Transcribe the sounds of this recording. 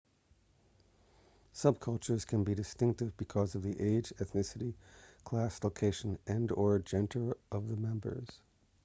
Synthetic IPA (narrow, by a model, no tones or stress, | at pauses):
sʌb̚kʰʌlˠt͡ʃə˞z̥kʰɨ̃nbidɨstɪ̃ŋk̚tɨvbɨkʰʌzʌvðiʔeɪd͡ʒɛθnɪsɨɾikʰl̥æsloʊkʰeɪʃɨ̃nɨ̃ndə˞d͡ʒɛ̃ntʰə˞ʔʌvðəmɛ̃mbə̰˞z̥